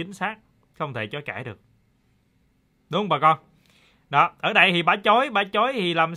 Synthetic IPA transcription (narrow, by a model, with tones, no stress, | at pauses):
ï˨˦ŋ̟saː˦˥k̚ | xə˧wŋ͡mt̪ʰe˧˩t͡ɕɔ˨˦kaː˧˩jɗɨ˨˩ək̚ | ɗʊ˨˦ŋ͡mɓaː˨˩kɔ˧n | ɗɔ˨˦ʔəː˧˩ɗə˧jt̪ʰi˨˩ɓaː˨˦t͡ɕo˨˦jɓaː˨˦t͡ɕo˨˦jt̪ʰi˨˩laː˨˩m